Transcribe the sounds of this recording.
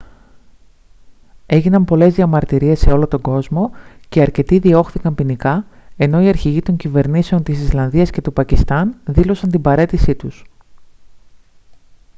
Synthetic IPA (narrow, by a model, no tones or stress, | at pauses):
e̞ʝinɐmpo̞le̞zðiɐmɐɾt̪iɾie̞sːeo̞lot̪o̞ɡo̞zmo̞ceɐɾce̞t̪iðio̞xθikɐmpinikɐe̞no̞iɐɾçiʝit̪o̞ɲcive̞ɾnise̞o̞nt̪isislɐnðiɐsce̞t̪upɐcist̪ɐnðilo̞sɐnt̪imbɐɾe̞t̪isit̪us